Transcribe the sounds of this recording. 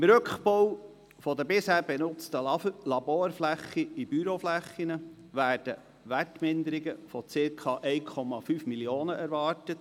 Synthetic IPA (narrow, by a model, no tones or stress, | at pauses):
ɪmɾɵkχpow | fɔd̪əbɪshæːɾbɛnʊt͡st̪əlɑboːɾflæχːiibyɾoflæχːinə | ʋæːɾd̥ə | ʋætmɪnd̪əɾiɡəfɔt͡sɪɾkʰɑʔɛɪkʰɔmɑfyːfmilioːnəʔæɾʋɑːɾtət